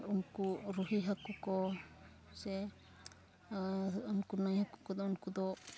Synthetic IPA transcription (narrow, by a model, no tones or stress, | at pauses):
unkuɾuɦiɦakukɔ | sɛ | unkunajhaku̥kɔd̪ɔunkud̪ɔ